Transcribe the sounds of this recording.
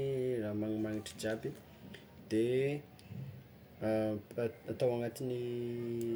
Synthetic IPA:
ramaŋimaŋiʈ͡ʂə̥d͡ʒabi | d̪̥e | at̪awaŋat̪ini

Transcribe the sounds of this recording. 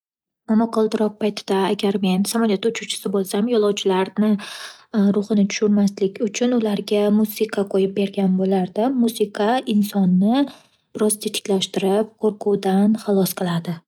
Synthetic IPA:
mamɒqʰɒlˠd̪ɪɾɒp̚pʰajt̪ʰɪd̪̥aːɡʲaɾme̞nsamɒlˠjat̪ʊt͡ʃʰut͡ʃʰɪ̥sɪbolˠsamjɒlˠɒwt͡ʃʰɪlaɾnɪ | ɾʊχɨnɪt̪ʰʊ̥ʃʊɾmaslɪkʲʊt͡ʃʰʊnʊlaɾɡʲamusɪqʰɑqʰojɪp̚be̞ɾɡʲanbolaɾd̪ɪmːusɪqʰɑɪnsɒnːɪ | b̥ɪɾɒzt̪ʰet̪ʰɪ̥kʲlaʃt̪ɪɾɪp̚qʰoɾqʰuwd̪anχɑlˠɒsqʰɨlˠad̪ɪ

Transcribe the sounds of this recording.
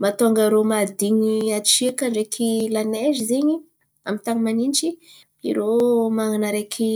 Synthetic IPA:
mat̪oŋɡəɾomad̪iɲiat͡ʃikaɳɖ͡ʐekʰilanezizeɲi | amint̪aŋimanint͡ʃi | ḭɾomaŋanaɾekʰi

